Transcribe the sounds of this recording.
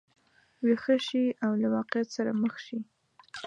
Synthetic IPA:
wexəʃiawlawɑqɪjat̪saɾaməxʃi

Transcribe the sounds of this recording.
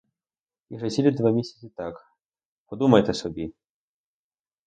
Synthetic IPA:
iʐɐzʲilʲid̪vamʲesʲɛ̥t͡s̪ʲit̪ak | pɔd̪umɐjɛt̪ɐsɔbʲi

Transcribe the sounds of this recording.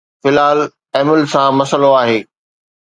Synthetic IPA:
fɪlaːl | ɛːmɪlsãmɐsəloaːɦeː

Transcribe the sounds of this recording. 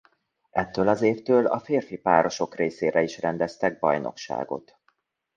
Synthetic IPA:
ɛt̪ːøːlɒzeːft̪øːlɒ̰feːrfipaːɾo̞ʃo̞kreːseːɾɛiʃrɛnd̪ɛst̪ɛɡ̚bɒ̰jnʔo̞̰kʃa̰ːɡo̞̰t̪

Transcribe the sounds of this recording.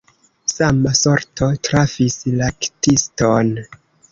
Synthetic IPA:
samasoɾtʰo̞tɾafislaktiston

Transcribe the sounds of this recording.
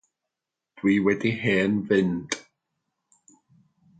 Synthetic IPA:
d̥wiːwɛdiheːnvɪnd̥

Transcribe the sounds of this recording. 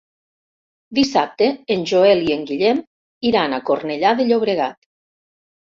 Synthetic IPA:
d̪isap̚t̪eːnʲʒoelieŋɡiʎɛm | iɾanakorneʎaðeʎoβ̞ɾeɣ̞at̪

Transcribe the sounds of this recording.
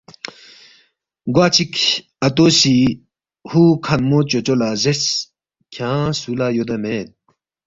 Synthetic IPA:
ɡwaːt͡ɕik | ɐt̪oːsi | huːkʰɐnmoːt͡ɕot͡ɕolazes | kʰãːsulajod̪ɐmeːt̪̚

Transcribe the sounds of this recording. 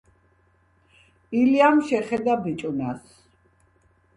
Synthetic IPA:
iliamʃɛχɛd̪abit͡ʃʼunas

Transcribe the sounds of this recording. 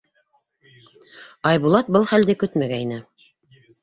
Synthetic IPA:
ɑjβulˠɑt̪̚bɤlˠχæld̪ɘkɵt̪mæɡæinɘ

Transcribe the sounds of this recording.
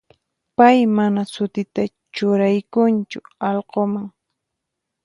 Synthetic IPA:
pajmanasʊt̪ɪt̪a | t͡ʃʊɾajkʊnt͡ʃʊɑlqomaŋ

